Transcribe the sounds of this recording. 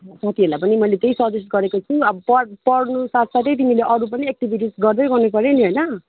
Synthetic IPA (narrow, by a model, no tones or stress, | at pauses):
sʌt̪iɦelapʌnimʌjlet̪eisʌdes̚ɡʌɾekot͡sʰuʌbʌpʌpʌɽnusat̪ʰsaʈʌjt̪imileʔʌɾupʌniek̚ʈibʱiʈ̬isɡʌrd̪ʌjɡʌrnupʌɾeniɦʌjnʌ